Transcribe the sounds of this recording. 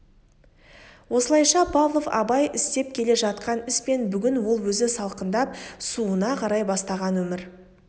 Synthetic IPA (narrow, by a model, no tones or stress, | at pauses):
wo̞səlˠɑjʃɑpʰavlˠo̞fɑ̰bɑjʔɪst̪e̞p̚kʲʰe̞le̞ʒɑt̪qɑnɪspe̞nbʏɡʲɪnwo̞lˠwɵzɪsɑlˠqənd̪ɑp̚suənɑqʰɑɾɑjbɑst̪ɑʁɑnwɵmɪɾ